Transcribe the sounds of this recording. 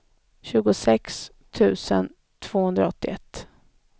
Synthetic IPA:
ɕʉ̟ːɡʊsɛks | t̪ʰʉ̟ːsə̰n | t̪ʰv̥oːhɵnd̪ɾaɔt̪ːɪɛt̪ː

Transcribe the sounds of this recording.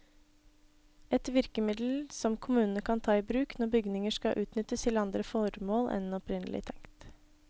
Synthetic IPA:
ɛt̪ʋɪɾkəmɪd̪l̩sɔmkʰʊmʉːnənəkʰɑnt̪ʰɑːiːbɾʉːknɔɾbʏɡnɪŋəʂkɑʔʉːt̪nʏt̪əst̪ʰɪlɑnd̪ɾəfɔɾmoːlʔɛ̰nɔpɾɪnəlʔɪ̰t̪ʰɛŋkt̪

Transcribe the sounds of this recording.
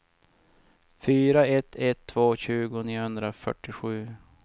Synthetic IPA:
fyːɾaɛt̪ʰːɛt̪ʰːvoːɕʉ̟ːɡʊniːhɵnd̪ɾafœ̰ʈːɪɧʉ̟ː

